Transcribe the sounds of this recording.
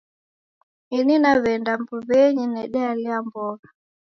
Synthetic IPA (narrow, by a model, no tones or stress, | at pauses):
ininaβɛndambuβɛɲinɛɗɛaliambɔɣa